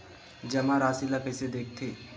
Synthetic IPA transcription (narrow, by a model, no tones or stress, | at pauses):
d͡ʒɐmãɾaːsilapɛːsed̪eːk̚ʰt̪ʰeː